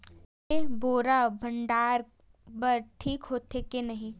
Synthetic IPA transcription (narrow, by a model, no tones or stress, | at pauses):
eɦboːɾabʱɐ̃ɳɖaːɾ | bɐɾʈʰiːkɦoːt̪ʰekenɐɦĩ